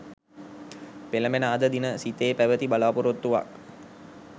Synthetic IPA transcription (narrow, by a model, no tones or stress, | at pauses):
peləmenəːd̪əd̪inəsit̪eːpæʋət̪ibalaːpuɾot̪ːuʋa̰k̚